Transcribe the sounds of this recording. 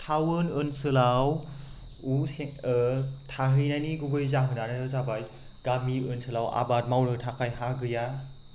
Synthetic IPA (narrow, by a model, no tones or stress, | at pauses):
tʰawɯnɯnsɯlaw | use | tʰaɦɯjnajniɡuɡɯjzaɦɯnanaɯzabaj | ɡ̥amiɯnsɯlawa̰bat̚mawɾɯtʰakʰajɦaɡɯja